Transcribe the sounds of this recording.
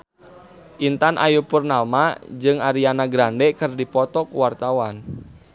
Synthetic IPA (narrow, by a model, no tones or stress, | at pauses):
ʔint̪anʔa̰jupurnalmad͡ʒɨŋaɾianaɡɾandɛkɨrdipɔt̪ɔkuwart̪awan